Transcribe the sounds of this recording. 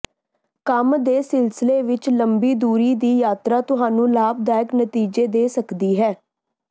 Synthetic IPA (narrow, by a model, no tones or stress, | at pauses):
kəmd̪eːsɪlsɪleːʋɪt͡ʃləmbiːd̪uːɾiːd̪iːjaːt̪ɾaːt̪ʊɦaːnũːlaːb̚d̪aːɪknət̪iːd͡ʒeːd̪eːsəkd̪iːɦɛː